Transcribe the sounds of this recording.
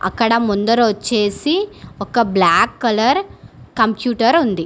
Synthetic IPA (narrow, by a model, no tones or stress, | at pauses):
ɐ̰kːɐɽɐmund̪ɐɾʋɐt͡ʃːe̞ːsiɔkɐblaːkːɐlɐɾkɐmpjuːʈɐɾund̪i